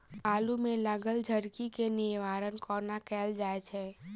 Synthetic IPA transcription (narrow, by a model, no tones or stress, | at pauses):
aːlumẽləɡəld͡ʒʱəɾkikenɪʋaːɾənkɔːnakɛːld͡ʒaːet͡ʃʰɛː